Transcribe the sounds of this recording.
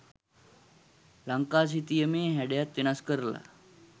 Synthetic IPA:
laŋkas̬it̪ijəmeːɦɛɽjat̪ːiñaskəɾla̰

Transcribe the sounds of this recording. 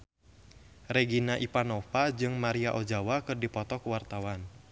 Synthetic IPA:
reɡinaʔipanɔpad͡ʒɨŋmaɾiaʔod͡ʒawakɨrdipɔt̪ɔkuwart̪awan

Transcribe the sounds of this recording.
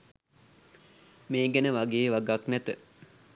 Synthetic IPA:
meːɡɛnəʋaɡeːʋaɡaknæt̪ə

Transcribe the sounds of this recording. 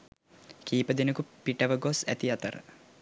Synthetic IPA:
kiːpəd̪enəkupiʈɐʋəɡosæ̰t̪iɑt̪əɾə̰

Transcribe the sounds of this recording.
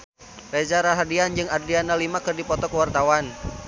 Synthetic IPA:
red͡ʒaɾaɦadiand͡ʒɨŋadɾianalimakɨrdipɔt̪ɔkəwart̪awan

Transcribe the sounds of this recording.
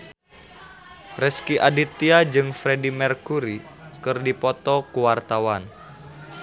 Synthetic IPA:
rɛskiʔadit̪ːiad͡ʒɨŋfɾedimɛrkuɾi | kɨrdipɔt̪ɔkuwart̪awan

